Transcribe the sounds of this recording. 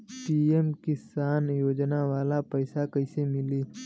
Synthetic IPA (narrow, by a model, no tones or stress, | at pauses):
ʈiːemkɪsaːnjoːd͡ʒnaʋaːlapəɪsakəɪsemɪliː